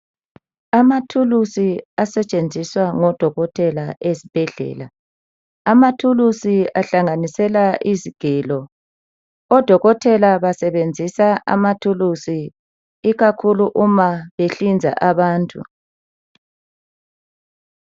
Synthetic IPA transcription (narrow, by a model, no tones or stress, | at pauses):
amatʰulusiasɛt͡ʃʼend͡zʱiswaŋɔd̥ʱɔɣɔtʰɛlaʔesib̥ʱɛɮɛ̰ːla | amatʰulusiaɬaŋanisɛlaʔiziɡ̥ʱɛːlɔ | ɔd̥ʱɔɣɔtʰɛlaβasɛβend͡zʱisaʔa̰matʰulusi | iɣakʰuluʔumaβeɬind͡zʱa̰ʔaβaːntʼṵ